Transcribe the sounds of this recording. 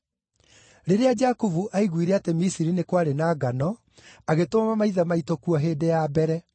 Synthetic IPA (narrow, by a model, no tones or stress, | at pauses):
ɾeɾead͡ʒakuvuʔaiɣwiɾɛatemisiɾinekwaɾenaːɡanɔ | aɣetomamamaiðamaitokuaɦeːdɛjabɛɾɛ